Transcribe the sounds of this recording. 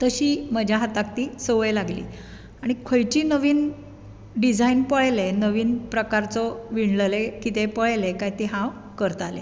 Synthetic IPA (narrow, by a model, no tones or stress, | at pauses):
t̪əɕiːməd͡ʑʱjaɦat̪ak̚t̪iːsəʋəjlaɡlḭː | aɽ̃ikʰojt͡ɕiːnəʋiːn | ɖid͡zainpəɭlenəʋiːnpɾəkaɾt͡sɔʋiɳləlekit̪epəɭlekajt̪eɦãw | kəɾt̪alḛ